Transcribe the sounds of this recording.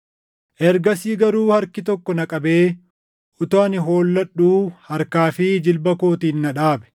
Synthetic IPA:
ʔɛɾɡɐsiːɡɐɾuːhɐɾkɪt̪ɔkːɔnɐkʼɐbe̞ː | ʔʊt̪aːnɪɦo̞ːlːɐᶑːuːhɐɾkaːfɪd͡ʒɪlbɐkoːt̪iːnːɐᶑaːbɛ̥

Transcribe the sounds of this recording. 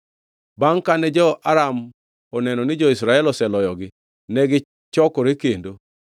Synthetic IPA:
baŋkanɛd͡ʒɔaɾam | ɔnɛnɔnɪd͡ʒɔisɾaɛlɔsɛlɔjɔɡɪ | nɛɡɪ | t͡ʃɔkɔɾekendo

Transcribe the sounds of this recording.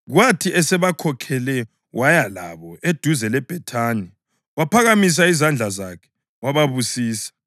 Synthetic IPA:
ɣwatʰiʔɛsɛβakʰɔkʰɛlɛ | wʔajala̰βɔed̥ʱuzɛlɛb̥ʱɛtʰaːni | wapʰaɣamis̬aizand͡ɮʱazakʰɛ̥ | waβaβusiːsḁ

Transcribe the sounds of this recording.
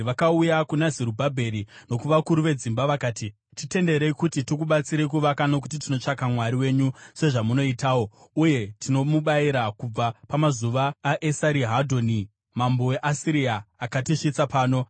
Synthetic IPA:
ʋakaujakunaziɾubʱabʱe̞ɾino̞kuʋakuɾuʋe̞d͡zimbaʋakaːti | tite̞nde̞ɾeikutitokuɓat͡siɾe̞k̬uʋakano̞k̬ut̬itino̞t͡ʂakamwaɾiwe̞ɲuse̞ʐamuno̞itaːwo̞uje̞tino̞muɓaiɾakub͡vapamazuʋaːʔesaɾiɦadʱo̞ni | mambo̞we̞ʔasiɾiaːkatiʂit͡sapaːno̞

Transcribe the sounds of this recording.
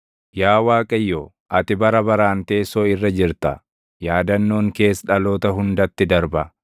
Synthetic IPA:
jaːwaːkʼɐjːoː | ʔɐt̪ɪbɐɾɐbɐɾaːnt̪e̞ːsoːɪrːɐd͡ʒɪɾt̪ɐ | jaːd̪ɐnːo̞ːŋke̞ːsᶑɐloːt̪ɐɦʊnd̪ɐt̪ːɪd̪ɐɾbɐ

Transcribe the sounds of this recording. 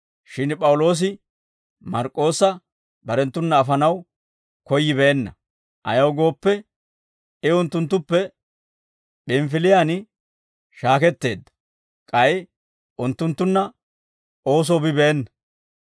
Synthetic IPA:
ʃɪnpʼɐwlo̞ːs̬ɪ | mɐɾkʼːo̞ːsːɐ | bɐɾɛnt̪ːʊnːɐːfɐnɐw | kɔjːɪbɛɛnːɐ | ʔɐ̰jɐwɡo̞ːpːɛ | ɪʊnt̪ːʊnt̪ːʊpːɛ | pɪmfɪlɪjan | ʃaːkɛt̪ːe̞ːd̪ːɐ̥ | kʼɐj | ʔʊnt̪ːʊnt̪ːʊnːɐ | o̞ːs̬ɔːbɪbɛɛnːɐ

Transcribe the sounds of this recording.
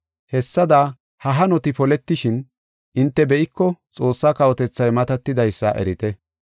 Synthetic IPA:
hɛsːɐd̪a | hɐɦɐnɔt̪ɪpɔlɛt̪ːɪʃɪn | ʔɪnt̪ːɛbɛʔɪkːɔt͡sʼo̞ːsːaːkɐwɔt̪ɛt͡sːɐjmɐt̪ɐt̪ːɪd̪ɐjsːɐ̰ʔɛ̰ɾɪt̪ɛ

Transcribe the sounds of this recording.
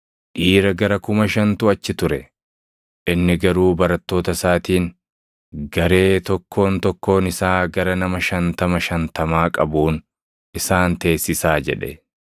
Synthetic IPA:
ʔiːɾɐɡɐɾɐkʊmɐʃɐnt̪ʊɐt͡ʃːɪt̪ʊɾɛ | ʔɪnːɪɡɐɾuːbɐɾɐt̪ːo̞ːt̪ɐsaːt̪iːn | ɡɐɾe̞ːt̪ɔkʰːo̞ːnt̪ɔkːo̞ːnɪsaːɡɐɾɐnɐmɐʃɐnt̪ɐmɐʃɐnt̪ɐmaːkʼɐbuːn | ʔɪsaːnt̪e̞ːsːɪsaːd͡ʒɛᶑɛ̰

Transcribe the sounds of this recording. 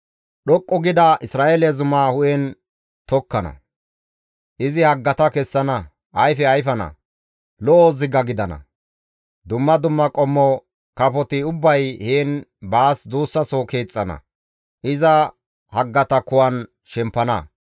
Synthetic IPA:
ɗɔkʼːɔɡɪd̪ɐʔɪsɾaːʔelezʊmaːhʊʔɛn | t̪ɔkːɐnɐ̰ | ʔɪzɪhɐɡːɐt̪ɐkɛsːɐnɐ | ʔɐjfɛɐjfɐnɐ̰ | lɔʔozɪɡɐɡɪd̪ɐnɐ̰ | d̪ʊmːɐd̪ʊmːɐkʼɔmːɔ | kɐpɔt̪ɪʊbːɐjheːnbaːsd̪uːsːɐsɔke̞ːt͡sʼːɐnɐ̰ | ʔɪzɐ | hɐɡːɐt̪ɐkʊwɐn | ʃɛmpːɐnɐ̰

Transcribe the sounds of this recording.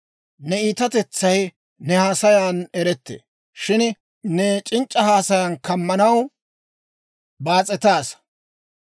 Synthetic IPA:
nɛiːt̪ɐt̪ɛt͡sːɐj | nɛhaːsɐjaːnɛɾɛt̪ːḛː | ʃɪn | nɛt͡ʃʼɪnt͡ʃʼːɐhaːsɐjaːnkɐmːɐnɐw | baːt͡sʼɛt̪aːs

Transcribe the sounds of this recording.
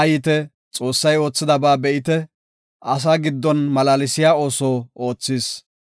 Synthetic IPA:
ɐjɪt̪ɛ | t͡sʼo̞ːsːɐjo̞ːt͡sːɪd̪ɐbaːbɛʔɪt̪ɛ | ɐs̬aːɡɪd̪ːɔnmɐlaːlɪsɪjaːo̞ːsoːʔoːt͡sːɪːs

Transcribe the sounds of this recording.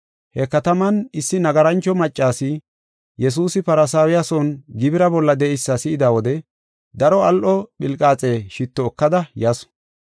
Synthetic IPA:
hɛkɐt̪ɐmɐnɪsːɪnɐɡɐɾɐnt͡ʃːɔmɐt͡ʃʼːaːsɪ | jɛs̬uːsɪpɐɾɐsaːwɪjasɔnɡɪbɪɾɐbɔlːɐd̪ɛʔɪsːɐsɪɪd̪aːwɔd̪ɛ | d̪ɐɾɔɐlʔɔɓɪlkʼaːt͡sʼeːʃɪt̪ːɔːkːɐd̪ɐjɐsɔ̥

